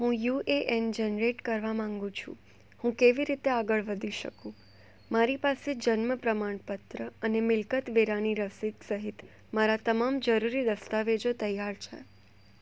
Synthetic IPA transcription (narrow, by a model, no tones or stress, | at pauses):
ɦũjuʔeʔɛnd͡ʒənɾeʈkəɾʋamãŋɡũt͡ʃʰṵ̃ | hũkeʋiɾit̪eaɡəɭʋəd̪ʱiʃə̰kũ | maɾipased͡ʒənməpɾəmaɳpət̪ɾəənemɪlkət̪ʋeɾaniɾəsid̪səɦit̪ | maɾat̪əmamd͡ʒəɾuɾid̪əst̪aʋed͡ʒot̪əjaɾt͡ʃʰḛ